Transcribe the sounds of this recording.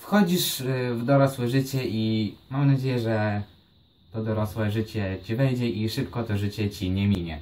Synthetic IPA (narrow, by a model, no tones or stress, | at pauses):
fxɔd͡ʑiʂvd̪ɔɾɔswɛʐɘt͡ɕɛʔimamnad͡ʑejɛʐɛ | t̪ɔd̪ɔɾɔswɛʐɘt͡ɕɛt͡ɕivɛjd͡ʑɛʔiʂɘpkɔt̪ɔʐɘt͡ɕɛt͡ɕiɲɛmʲiɲɛ